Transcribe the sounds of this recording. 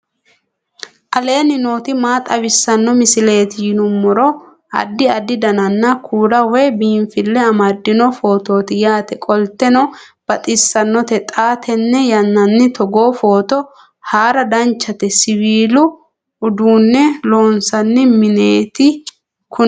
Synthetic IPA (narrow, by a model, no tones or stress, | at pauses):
ʔɐle̞ːnɪnoːt̪ɪmaːt̪ʼɐβɪsːɐnːɔmɪsɪle̞ːt̪ɪjɪnʊmːʊɾɔ | ɐ̰d̪ːɪɐd̪ɪd̪ɐnɐnːɐkʰuːɾɐwɛbiːnfɪlːɛɐmɐd̪ːɪnɔfo̞ːt̪o̞ːt̪ɪjaːt̪ɛkʼɔlt̪ːɛnɔ | b̥ɐt̪ʼɪsːɐnːɔt̪ɛt̪ʼaːt̪ʰɛnːɛjɐnːɐnːɪt̪ʰɔɡoːfo̞ːt̪ɔ | haːɾɐd̪ɐnt͡ʃːɐt̪ɛsɪwiːlʊ | ʊd̪uːnːɛlo̞ːnsɐnːɪmɪneːt̪ɪ | kʊ